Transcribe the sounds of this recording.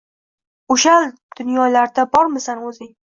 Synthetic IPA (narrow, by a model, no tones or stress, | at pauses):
ʊʃal | d̪̥ʊnjɒlaɾd̪abɒɾmɪsanɵzɪ